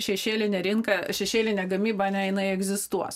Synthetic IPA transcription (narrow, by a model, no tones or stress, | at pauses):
ʃʲɛʃʲeːlʲɪnʲɛɾʲɪŋkɐʃʲɛʃʲeːlʲɪnʲɛːɡɐmʲiːbɐɐnʲɛjɪnɐɪɛɡzʲɪst̪uɔs